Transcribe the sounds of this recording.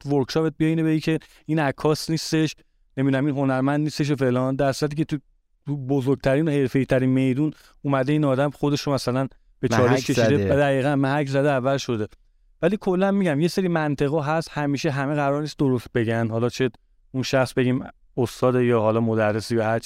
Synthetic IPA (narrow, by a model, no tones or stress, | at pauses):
voɾkʃɒpet̪̚bieiːnebeicʰe̞ | iːnækʰːɒːsniːst̪e̞ʃ | nemid̪unæminɦo̞næɾmænd̪niːst̪eʃ̬efe̞lɒːnd̪æɾsuɾæt̪̬ʰiːcʰet̪ʰu | t̪ʰubozoɾɡ̚t̪ʰæɾiːnohe̞ɾfe̞jit̪ʰæɾiːnme̞jd̪uːn | umæd̪e̞iːnɒːd̪æmxo̞d̪e̞ʃomæsælæn | b̥e̞t͡ʃʰɒːɾekʲʰeid̪eæd̪æɣiːɣænmæɦæczæd̪eævːæzʃo̞d̪e̞ | væliːkʰo̞lːænmiːɟæmje̞seɾiːmænt̪ʰe̞ɣɒːɦæst̪hæmiːʃeɦæmeɣæɾɒɾniːst̪̚d̪o̞ɾost̪̚be̞ɟænhɒlɒt͡ʃʰe | unʃæxsbe̞ɟiːm | ost̪ɒːd̪ejɒːhɒːlɒːmod̪ærːesijɒhæɾt͡ʃʰi